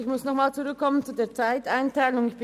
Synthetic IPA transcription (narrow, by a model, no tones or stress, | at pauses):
ɪçmʊsnɔχmaːlt͡suʁʏkʰːɔmənt͡sudeːɐt͡saɪtaɪntʰaɪlʊŋɪçb̥